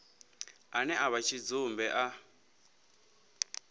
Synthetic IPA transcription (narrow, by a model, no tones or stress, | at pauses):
anɛʔaβat͡ʃʰid͡zumbɛʔa